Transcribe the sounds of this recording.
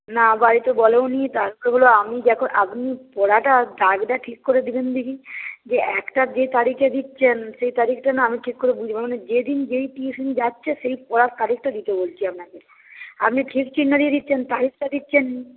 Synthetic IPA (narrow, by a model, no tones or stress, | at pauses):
nabaɾit̪obɔleoniet̪aɾpleɦoloamid̪ɛkʰoʔapnipɔɽaʈad̪aɡɖaʈʰikːoɾed̪ibend̪ikid͡ʑeɛkʈad͡ʑet̪aɾiked̪itːɕʰenʃejt̪aɾikʰʈanaamiʈʰikːoɾebud͡ʑʱibamoned͡ʑed̪ind͡ʑejʈiesinid͡ʑatːɕʰeʃejpɔɽaɾkaɾik̚ʈad̪it̪ebolt͡ɕʰiapnake | apniʈʰikt͡ɕinːad̪ied̪itːʃʰent̪aɾik̚ʰʈad̪itːɕʰen